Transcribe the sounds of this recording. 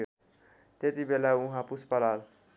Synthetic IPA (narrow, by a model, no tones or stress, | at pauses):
t̪et̪ibelauɦãpuspʌlal